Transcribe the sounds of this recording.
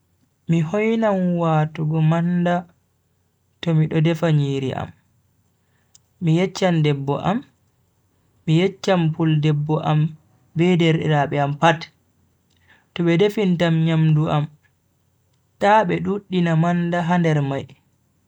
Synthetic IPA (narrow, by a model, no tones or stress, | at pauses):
mihɔjnamwatuɡɔmanda | tɔmiɗɔdɛfaɲiːɾḭʔa̰m | ijɛt͡ʃːandɛbːɔ̰ʔa̰m | ijɛt͡ʃːampuldɛbːɔʔam | bɛdɛɾɛɾaɓɛampat | tɔɓɛdefintamɲamduʔam | taɓɛɗuɗːinamandaɦandɛɾmaj